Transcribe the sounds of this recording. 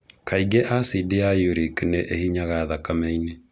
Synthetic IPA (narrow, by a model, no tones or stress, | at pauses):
kʰaiɡeʔasideajuɾikneʔehiɲaɣaðakamɛine